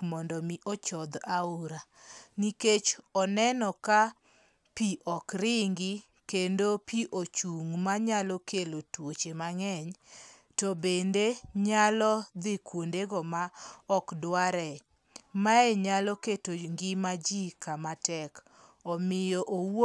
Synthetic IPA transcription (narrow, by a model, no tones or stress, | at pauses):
mɔndɔmiʔɔt͡ʃɔd̪auɾa | niket͡ʃɔnɛnɔka | piʔɔkɾɪŋɡɪ | kendopiʔot͡ʃuŋmaɲalɔkʰelotwot͡ʃemaŋɛɲ | tɔbendeɲalɔd̪ɪkwondeɡɔmaɔkdwaɾɛ | maeɲalɔketoŋɡɪmad͡ʒikamatɛk | ɔmɪjɔʔowo